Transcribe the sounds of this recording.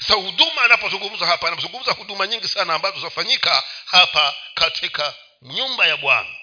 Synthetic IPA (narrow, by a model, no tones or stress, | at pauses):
sḁsahuɗumaːnapɔzuŋɡum̩zahapanapɔzuŋɡum̩zahuɗumaɲiŋɡisanaːmbaɔutafaɲikahapakatʰika | ɲumbajaɓwa̰na